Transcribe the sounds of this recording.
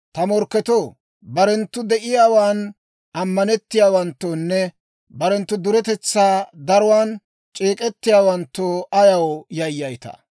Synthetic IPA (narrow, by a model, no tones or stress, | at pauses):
t̪ɐmɔɾkːɛt̪oː | bɐɾɛnt̪ːʊd̪ɛʔɪjaːwaːn | ɐmːɐnɛt̪ːɪjaːwɐnt̪ːoːnːɛ | bɐɾɛnt̪ːʊd̪ʊɾɛt̪ɛt͡sːaːd̪ɐɾʊwaːn | t͡ʃʼeːkʼɛt̪ːɪjaːwɐnt̪ːoːɐjɐwjɐjːɐjt̪ɐ̰